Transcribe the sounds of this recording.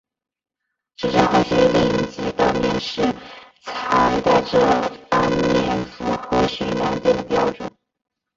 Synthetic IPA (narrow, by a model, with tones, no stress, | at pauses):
ʂɻ̩˥˩ʈ͡ʂə˥nxɤ˧˥ɕɥɛ˧˥˧li˥˩˧t͡ɕi˧˥t̪ɑ˥˩ʊnjɛ˥˧nʂɻ̩˥˩ | t͡sʰa˧˥ɪt̪a˥˩ɪʈ͡ʂɤ˥fa˧˥nljɛ˥˩nfu˥˩xɤ˧˥ɕɛ˧˥na˧˥nt͡ɕjɛ˥˩nd̪ə˩pjɑ˥ʊʈ͡ʂʊ˨˩˦ŋ